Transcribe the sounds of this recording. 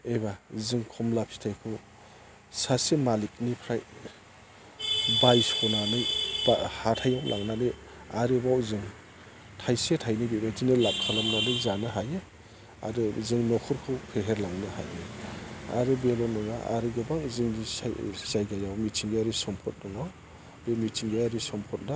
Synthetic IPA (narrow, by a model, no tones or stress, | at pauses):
ebazɯŋkʰɔmlapʰi̥tʰajkʰɯw | sasemalik̚nipʰɾaj | bajsɔnanɯjbahatʰajawlʔa̰ŋnanɯ | aɾɯbawzɯŋ | tʰajsetʰajnibebadinɯlap̚kʰalamnadɯzanɯɦaje | a̰ɾɯzɯŋnɔkʰɔɾkʰɯwpʰeɦeɾlaŋnɯha̰jea̰ɾɯbelɔnɔŋaʔa̰ɾiɡɯbaŋzɯŋḭzajɡajawmitʰiŋɡeaɾisɔmpʰɔt̚dɔŋɔ | ɾɯmit͡ʃʰiŋɡaaɾisɔmpʰɔt̚na